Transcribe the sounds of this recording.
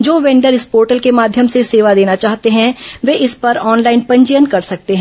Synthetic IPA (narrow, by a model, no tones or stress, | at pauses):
d͡ʒoːʋɛ̃ːɳɖəɾɪspoːɾʈəlkemaːd̪ʱjəmseseːʋad̪eːnat͡ʃaːɦt̪eɦɛ̃ʋeʔɪspɐɾɔːnlaːɪnpɐ̃ɲd͡ʒəjənkɐɾsɐk̚t̪eɦɛ̃